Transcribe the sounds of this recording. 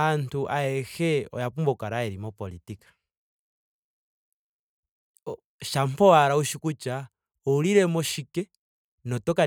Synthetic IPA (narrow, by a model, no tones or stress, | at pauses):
antuʔaɛxɛɔ̰japumbɔkaɾaɛɾimɔpɔlitikḁ | ʃampɔaɾauʃikut͡ʃa | ɔuliɾɛmɔʃikɛ | nɔtɔka